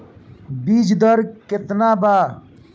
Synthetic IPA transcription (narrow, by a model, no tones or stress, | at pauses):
biːd͡ʒd̪əɾket̪naːbaː